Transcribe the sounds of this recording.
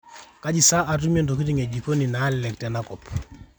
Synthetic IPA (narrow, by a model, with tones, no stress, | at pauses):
ka˦ɟi˨sa˦ʔa˨tu˦me˦nto˨ki˦ti˦ŋe˨ɟi˨ko˦ni˨na˨˦llɛkte˨na˦kɔ˨p